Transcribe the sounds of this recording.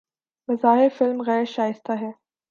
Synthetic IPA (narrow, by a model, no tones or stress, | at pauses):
mɐzaːɦɪɾfɪlmɣɛːɾʃaːjɪst̪aɦɛː